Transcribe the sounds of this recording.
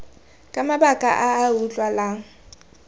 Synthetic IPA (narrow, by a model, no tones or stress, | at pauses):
kʼamabakʼa̰ʔaːut͡ɬʼwalaŋ̩